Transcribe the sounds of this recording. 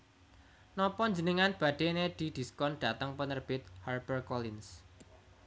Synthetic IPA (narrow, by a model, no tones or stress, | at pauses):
nɔpɔɲd͡ʒənəŋanb̥ä̤ɖ̪̥ened̪̥i̤d̪̥i̤skɔnɖ̥a̤t̪əŋpənərb̥ɪt̪̚harbərkɔlɪns